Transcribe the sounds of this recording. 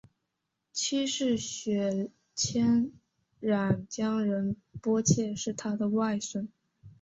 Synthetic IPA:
t͡ɕʰi˥ʂɻ̩˥˩ɕɥɛ˧˥ | t͡ɕʰjɛ˥n | ɻa˨˩nt͡ɕjɑ˥ŋɻə˧˥npwɔ˥t͡ɕʰjɛ˥˧ʂɻ̩˥˩t̪ʰa˥d̪ə˨wa˥˩ɪʂə˥ŋ

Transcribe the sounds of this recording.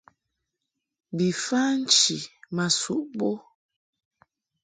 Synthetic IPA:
bi˨fa˦n̩˦t͡ʃi˨ma˨sṵ˨ʔbo˦

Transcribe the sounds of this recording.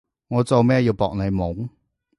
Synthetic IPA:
ŋɔː˨˧t͡so˨˧wmɛː˥jiː˧wpɔ̰ː˧k̚ne˨˧jmʊ˨˥ŋ

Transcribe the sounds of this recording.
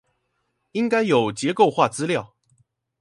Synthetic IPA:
i˥ŋka˥ɪjo˨˩ʊt͡ɕjɛ˨˧˥ko˥˧ʊxwa˥˨t͡sɹ̩˥ljɑ˥˩ʊ

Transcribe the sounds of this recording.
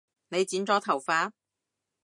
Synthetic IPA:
ne˨˧jt͡siː˨˥nt͡sɔː˧˥t̪ʰɐ˨˩wfaː˨˥

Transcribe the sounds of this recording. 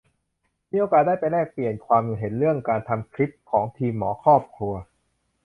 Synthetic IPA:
miː˧˥ʔoː˧kaː˨˩t̪̚daː˥˩jpa˧jlɛː˥˩k̚pli˨˩ənkʰwaː˧mju˨˩ɦe˩˦nɾɯ˥˩əŋkaː˧nt̪ʰa˧mkʰɾi˦˥p̚kʰɔː˩˦ŋt̪ʰiː˧mːɔː˩˦kʰɔː˥˩p̚kʰɾu˧ɐ

